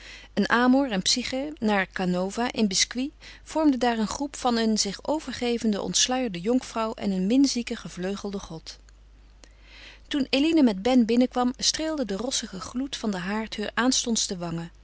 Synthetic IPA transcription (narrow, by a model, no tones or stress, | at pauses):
ənʔaːmuɹɛnpsiχənaːɹkanowvaʔɪnbɪskwiv̥ɔɹmdədaːɹənχrupfɑnənzɪχowv̥əɹχejvəndəʔɔ̰ntslœɥjəɹdəjɔŋfrɑwʔɛ̰nənmɪnzikəχəvløɥχəlˠdəχɔt | tunelinəmɛd̚bɛnbɪnəkʋɑmstreːlˠdədərɔsəχəχlutfɑndəɦaːɹthøːɹʔaːnstɔnstəʋɑŋə